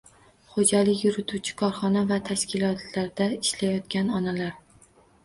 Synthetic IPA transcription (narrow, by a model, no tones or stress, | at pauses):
χod͡ʒalɪkʲjʊɾɪt̪ʰuwt͡ʃʰɪ̥kʰɒɾχɒnavat̪ʰaʃkʲɪlɒt̪ʰlaɾd̪aɪʃlajɒt̪kʲanɒnalaɾ